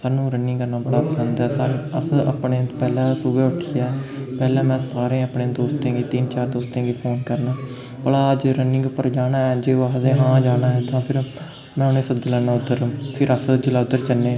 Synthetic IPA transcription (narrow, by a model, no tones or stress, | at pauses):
saːnũːɾənɪ̃ŋɡəɾnaːbəɽaːpəsənd̪ɛːsaːnəsə̰pɳeːpɛːlãːsʊbeːʊʈʰːɪːɛːpɛːlɛ̃ːmɛ̃ːsaːɾẽːəpɳẽːd̪oːst̪ẽːɡiːt̪int͡ʃaːɾd̪oːst̪ẽːɡiːpʰoːnkəɾnaː | bəɽaːəd͡ʒɾənɪ̃ŋɡpəɾd͡ʒaːnaːɛːd͡ʒeːad̪eːɦãːd͡ʒaːnaːɛːt̪ãːpʰɪɾ | mɛ̃ːʊnẽːsəd͡ʒələːnãːʊd̪əɾpʰɪɾəsd͡ʒəlaːʊd̪ːəɾt͡ʃənːẽː